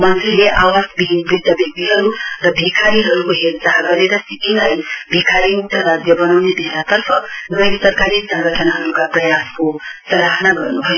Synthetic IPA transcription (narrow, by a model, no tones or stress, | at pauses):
mʌnt̪ɾileʔaʋasbibid̪əbʱeɡ̚b̪iɦʌɾuɾʌbʱikʰaɾiɦʌɾukoɦelsaɦɡʌɾeɾʌsipinajbʱikʰaɾiŋt̪əɾad̪jəbʌnawnebʱeɦlat̪ʌɾpʰʌnəjsɐɾkaɾisəŋɡəʈʰənaɦʌɾukapɾɐjaskosɐɾaɦnaɡʌ̰ɾnubʱʌjo